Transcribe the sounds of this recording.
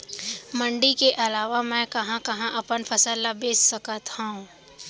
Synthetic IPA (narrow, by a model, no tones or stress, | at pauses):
mə̃ɳɖikeʔɐlaːʋamɛ̃kɐɦãkɐɦãʔɐpənpʰɐsəlːabeːssəkət̪hõũ